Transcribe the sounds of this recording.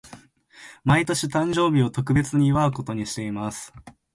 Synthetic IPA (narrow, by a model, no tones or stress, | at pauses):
mait̪o̞ɕit̪ãɲ̟d͡ʑo̞ːbʲio̞t̪o̞kɯ̟be̞t͡sɨɲ̟iːβaɯ̟ko̞t̪o̞ɲ̟iɕi̥t̪e̞imasɨ̥